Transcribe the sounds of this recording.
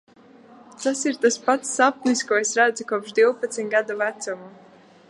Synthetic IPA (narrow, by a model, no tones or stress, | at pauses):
t̪asiɾt̪aspat̪sːap̚niskɔɔesɾæd̪zukɔɔpʒd̪iwpat̪sʲit̪ɡad̪uvæt̪sumu